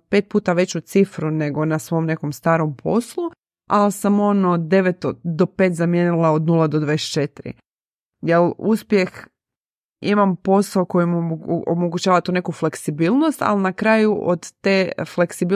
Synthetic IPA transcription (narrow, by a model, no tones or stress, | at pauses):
pet̪̚puːt̪aʋe̞t͡ɕut̪sifɾune̞ɡo̞nasʋo̞mne̞komst̪aːɾompʰo̞̰slu | alsamo̞nod̪e̞ʋet̪od̪o̞peːt̪zamjenilˠaod̪nulˠad̪od̪ʋadest͡ʃe̞t̪iɾḭ | jeluspje̞x | imampo̞saoko̞jimuo̰moɡut͡ɕaːʋat̪uːne̞kufle̞ksibilˠno̞st̪a̰lnakɾaːjuʔod̪ːeːfle̞ksibi